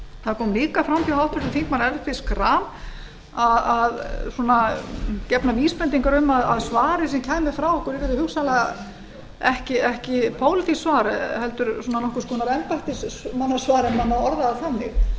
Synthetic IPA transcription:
θaðkʰɔːmliːkafɾawmt̪iawt̪ʰʏɾst̪ʏθiŋk̪manɛɾfɪskɾaːm | aðaðsɔnacɛpnaviːspɾɛnt̪iŋkaɾʏmːaðaðsvaːɾɪs̬ɛmcʰaːjmɪ̥fɾawɔhkʰʏɾɪɾɛðɪhʏksalɛɣa | ɛhcɪɛhcɪpʰoːwlɪt̪isvaːɾhɛlt̪ʏɾsɔnanɔhkʏɾ̥skɔːnaɾɛmpaht̪ɪsmanːasvaːɾɛmanaɔɾðaðaθanːɪ̰x

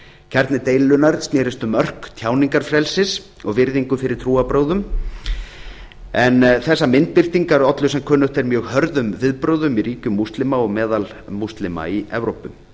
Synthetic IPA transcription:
cʰɛɾt̪nɪt̪eːjlːʏnaɾ̥st̪nɪːɾɪst̪ʏmœr̥kt̪ʰjaːwniŋkaɾ̥fɾɛlsɪs | ɔɣvɪɾðiŋkʏfɪɾɪɾ̥t̪ʰɾuːapɾoːwðʏm | ɛnθɛsːamɪnt̪̚pɪr̥t̪iŋkaɾɔt̪lʏsɛmkʰœːnʏht̪ɛɾmjœːɣhœɾðʏmvɪðpɾoːwðʏmiɾiːcʏmːust̪lɪmaɔɣmɛːðal | must̪lɪma̰iɛvɾowpʏm

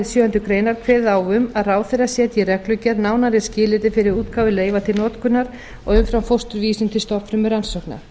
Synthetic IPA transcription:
ðsjœːɛnt̪ʏkɾeːjnaɾ̥kʰvɛːðawʏmaðraːwθɛɾasjɛt̪jɛrɛklʏcaɾnaːwnaɾɪscɪːlɪt̪ɪfɪɾɪðuːt̪kaːwvʏleːjvat̪ʰɪlnɔːt̪kʰʏnːaɾ̥ | ɔ̰ɣʏmfɾawfowst̪ʏɾviːsɪnt̪ʰɪlst̪ɔpfɾʏmʏɾansɔhkna̰ɾ̥

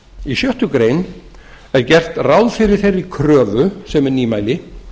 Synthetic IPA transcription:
isjœht̪ʏkɾeːjn | ɛɾcɛr̥t̪rawðfɪɾɪɾ̥θejɾikʰɾœːvʏsɛmɛɾniːmajlɪ

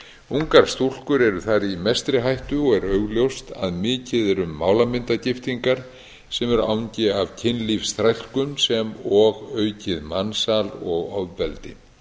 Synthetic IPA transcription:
uŋkaɾ̥st̪ul̥kʏɾɛɾʏθaɾimɛst̪ɾɪɦajht̪ʏɔɣɛɾœɥɣljowst̪a̰ðmɪːcɪðɛɾʏmːaːwlamɪnt̪acɪft̪iŋkaɾ̥ | sɛmɛɾa̰ːwɲcɪavcʰɪnlifst̪ɾajl̥kʏmsɛmɔɣœːɥcɪðmansalɔɣɔvːɛlt̪ɪ̰

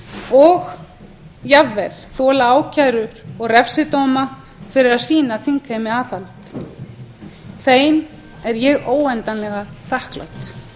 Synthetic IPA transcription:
ɔɣ | javɛɾ̥θɔːlaaːwcʰajɾʏɾɔɣrɛfsɪt̪oːwma | fɪɾɪɾaðsiːnaθiŋkaɪmɪaːθalt̪ | θeːjn | ɛɾjɛɣoːwɛnt̪anlɛɣaθahkla̰wt̪

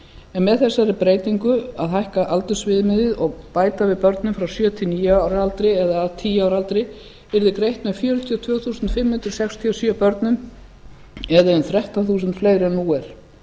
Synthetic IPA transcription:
ɛnmɛðθɛsːaɾɪpɾeːjt̪iŋkʏa̰ðhajhkaʔalt̪ʏ̥svɪːðmɪðɪðɔɣpaːjt̪avɪðpœɾt̪nʏmfɾawsjœːt̪ʰɪlniːjaːwɾalt̪ɾɪɛðaðt̪ʰiːjaːwɾalt̪ɾɪ | vɛɾðɪkɾejht̪mɛðfjœːɾʏt̪ʰiɔt̪ʰv̥œːɣθuːsʏnt̪fɪmhʏnt̪ɾɪɾ̥sɛkst̪ʰiɔsjœpœɾt̪nʏm | ɛðaɛnθɾɛht̪aθuːsʏnt̪fleːjɾɛnːuːɛɾ̥

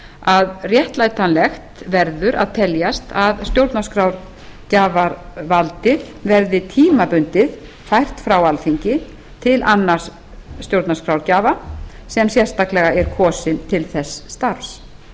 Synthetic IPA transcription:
aðrjɛht̪laːjt̪anlɛxt̪vɛɾðʏɾʔa̰ðt̪ʰɛljast̪ʰaðst̪jowɾt̪naskɾawɾ | caːvaɾvalt̪ɪð | vɛɾðɪt̪ʰiːmapʏnt̪ɪð | fajr̥t̪fɾawalfiɲcɪ | t̪ʰɪlʔanːaɾ̥ | st̪jowɾt̪naskɾawɾcaːvasɛmsjɛr̥st̪aklɛɣaʔɛɾkʰɔːsɪnt̪ʰɪlθɛsːt̪aɾvs

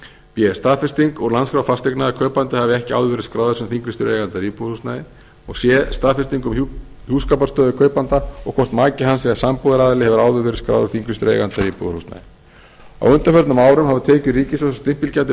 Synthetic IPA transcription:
pjɛst̪aːðfɪst̪iŋkɔɣlanskɾawfast̪eknaðkʰœːɥpant̪ɪhavɪɛhcɪa̰wðʏvɛɾɪ̥skɾaːwðʏsʏmθiŋkɾɪst̪ʏɾeːjɣant̪aɾiːpuðhustnajɪ | ɔɣsjɛst̪aːfɪ̥st̪iŋkʏm | huːskapḁst̪œːðʏkʰœːɥpant̪aɔɣkʰvɔr̥t̪maːcɪɦansɛɣasampoðaɾaːðɪlɪhɛvʏɾaːwðʏvɛːɾɪskɾa̰ːwðʏɾθiŋkɾɪst̪ʏɾḛjɣant̪aɾiːpuðʏhustna̰jɪ | a̰wʏnt̪afœɾt̪nʏmaːwɾʏmhavʏt̪ʰɛːcʏɾiːcɪsvɔsḁst̪ɪm̥pɪlcat̪ɪ

